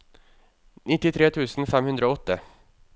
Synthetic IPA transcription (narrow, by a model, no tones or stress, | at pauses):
nɪt̪ːɪt̪ʰɾeːt̪ʰʉːsn̩fɛmhʉnd̪ɾəoːɔt̪ːə